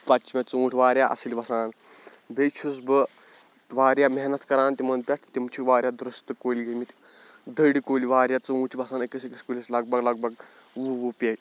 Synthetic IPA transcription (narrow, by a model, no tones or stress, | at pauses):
pɐt͡ʃʰimʲet͡suuːʈʰʲiʋaːɾʲjaːʔɐ̰siliʋɐsaːn | bet͡ʃʰus̬bɨ | ʋaːɾjameɦnɐt̪kɐɾaːnt̪ʲimɐnpʲɛʈʰt̪imt͡ʃʰiʋaːɾʲjad̪ɾust̪ɨkoːlʲɡɐmit̪ʲi | d̪əɽikoːliʋaːɾjat͡suũːʈʰiʋɐsaːnɐkisekiskulʲislɐɡ̚bɐɡlɐɡ̚bɐɡ | ʋuʋupʲe